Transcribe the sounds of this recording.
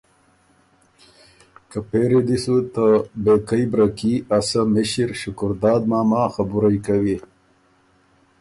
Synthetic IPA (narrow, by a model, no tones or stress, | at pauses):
kəpeːɾid̪isut̪abekɐjbɾakiasamiɕiɾɕʊkʊɾd̪ɑːd̪maːmaːxabuɾajkawi